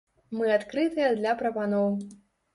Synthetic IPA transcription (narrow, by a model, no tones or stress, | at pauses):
mɨat̪kɾɨt̪ɨjɐd̪lʲɐpɾɐpanɔw